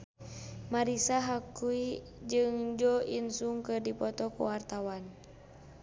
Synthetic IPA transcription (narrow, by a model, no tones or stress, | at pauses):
maɾisaɦakui | d͡ʒɨŋd͡ʒɔinsuŋkɨrdipɔt̪ɔkṵwart̪awan